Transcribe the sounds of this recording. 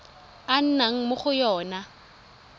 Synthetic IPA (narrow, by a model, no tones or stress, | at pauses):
an̩naŋ̩mʊχʊjɔːna